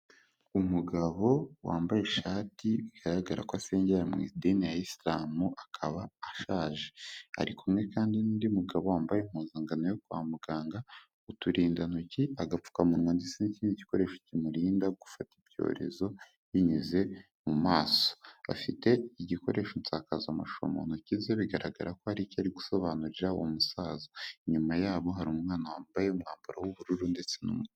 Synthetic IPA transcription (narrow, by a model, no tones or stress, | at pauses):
umuɡaβo̞wa̰ːmbaje̞ʃaːtiβiɡ̥aɾaɡaɾa̰kwase̞ːɲɟeɾamŋḭdenijaislaːmuʔakʰaβaːʃaːʒea̰ɾikumŋe̞kaːndinindimuɡaβowaːmbajem̥uːnzaŋɡanojokua̰ːmuɡaːŋɡa | utuɾiːndanuciaɡap͡fu̥kamuwandit͡seniciːndiɟi̥ko̞ɾe̞ːʃo̥cimuɾiːndaɡu̥fatibɟo̞̰ːɾe̞̰zo̞ | jiɲuze̞ | mumaːso̥a̰fite̞iɟiko̞̰ɾʔe̞ʃont͡saːkazamaʃo̞̰mo̞̰nocizeβiɡaɾaɡa̰ɾako̞haɾicaɾiɡu̥so̞βaːnuɾiɾaomusaːzoiɲumajaːβo̞ɦaɾumŋaːnawaːmbajeumŋaːmbuɾawuβuɾuɾunde̞t͡se̞nṵmu